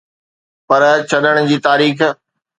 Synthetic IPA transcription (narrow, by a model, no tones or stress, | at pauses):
pɐɾt͡ɕʰɐɗəɽ̃d͡ʑiːt̪aːɾiːx